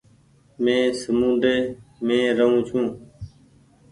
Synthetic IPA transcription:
mẽːsəmũːd̪eːmẽːɾəɦũːt͡ʃʰũː

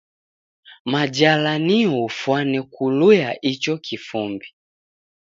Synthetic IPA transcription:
mad͡ʒalaniɔufwanɛkulujaʔit͡ʃɔkʰifumbi

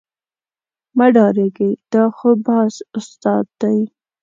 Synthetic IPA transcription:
maɖɑɾeɡejd̪̥ɑxobɑsʊst̪ɑd̪ːaj

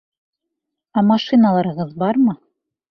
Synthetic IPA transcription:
æmɑʃinɑlˠɑɾɤ̆ʁɤðbɑɾmɤ

